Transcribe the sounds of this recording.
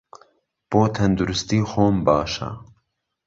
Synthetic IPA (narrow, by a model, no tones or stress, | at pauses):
b̥oːt̪ʰɛnd̪uɾʊst̪iːxoːmbɑːʃa̰